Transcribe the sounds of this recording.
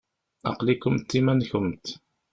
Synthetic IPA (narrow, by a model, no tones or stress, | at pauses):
ɑ̰qlikʊmt̪ːimænçəmt̪